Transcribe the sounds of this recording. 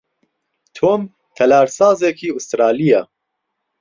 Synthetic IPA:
t̪ʰoːm | t̪ʰɛlaːɾsɑːzɛkʰiːust̪ɾaːlijɑː

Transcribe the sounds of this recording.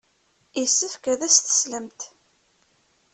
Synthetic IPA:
isːəfkæðæsθə̥sləmt̪

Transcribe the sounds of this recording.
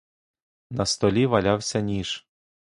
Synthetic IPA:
nɐst̪ɔlʲiʋɐlʲawsʲɐnʲiʃ

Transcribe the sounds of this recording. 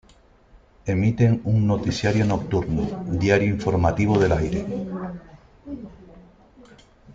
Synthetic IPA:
e̞mit̪e̞ŋuŋno̞t̪isjaɾjono̞k̚t̪uɾno̰d̪jaɾjoiɱfo̞ɾmat̪iβ̞oð̞e̞lajɾe

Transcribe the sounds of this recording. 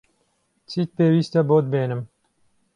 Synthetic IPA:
t͡sʰiːt̪̚peːwiːst̪ɐboːd̪̚beːnɨm

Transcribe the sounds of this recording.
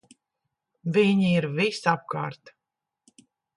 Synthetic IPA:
viɲiiɾvisap̚ka̰ːɾt̪

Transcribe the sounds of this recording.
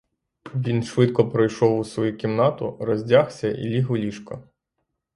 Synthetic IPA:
ʋʲinʃʋɪt̪̚kɔpɾɔjʃɔwʊsʋɔjukʲimnɑt̪ʊɾɔzʲdʲaxsʲɐʔḭlʲiɦʊlʲiʃkɔ̰

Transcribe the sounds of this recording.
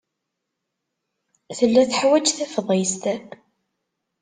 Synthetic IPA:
θəlːæθħwæd͡ʒθæfəðˤjəst̪æb

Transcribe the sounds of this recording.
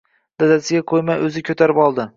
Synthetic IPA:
d̪̥ad̪asɪɡʲaqʰojmajɵzɪkʲʰɵt̪ʰaɾɪpɒlˠd̪ɪ

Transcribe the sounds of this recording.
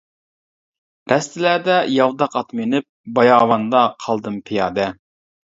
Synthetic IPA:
ɾʔɛst̪ʰɪlæd̪ɛjɑwd̪ɑqɑt̪minɪp̚bɑjɑːwɑnd̪ɑqʰɑlˠd̪ɨmpʰijɑːd̪ɛ

